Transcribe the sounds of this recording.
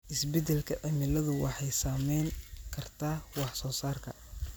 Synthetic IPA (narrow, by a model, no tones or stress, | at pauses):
ʔɪsbɛd̪ɛlkʰɐʔɐmɪlɐðʊwɑħɑjsaːmɛjŋkʰɐrt̪ʰaːwɑħsɔːsaːrkʰɐ